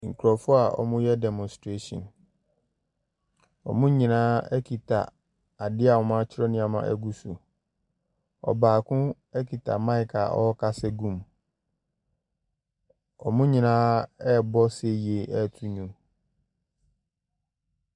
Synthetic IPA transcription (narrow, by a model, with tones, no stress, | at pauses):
ŋ̩˨kʰu˨ɾɔ˨fʊ˦a˨ɔ̰˨mʊ̃˦jɛ˦dɛ˨mɔ̃˨nstɾe˦sɔ̰̃˨n | ɔ̰˨mʊ̃˦ɲĩ˨nãː˦ɛ˦kʰi˨tʰa̰˨ | a˨dɪ˦a˨ɔ˨mã˦t͡ɕʰɪ˦ɾɔ˦nɪ̃˨˦a˨mã̰˦ʔɛ̰˦ɡu˦su˨ | ɔ̰˨baː˨kʰʊ̃˦ | ɛ˦kʰi˨tʰa̰˨mã˦ɪ˨kʰa̰˨ʔɔ̰˦kʰa˦sɛ˦ɡũ˦˨m | ɔ̰˨mʊ̃˦ɲĩ˨nãː˦ɛ˦˨bɔ˦se˦ji˨e˨ʔɛ˦˨tʰu˦ɲũ˨m